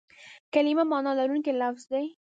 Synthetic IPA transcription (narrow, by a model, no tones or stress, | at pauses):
kalɪmamɑnɑlaɾunkelafzd̪aj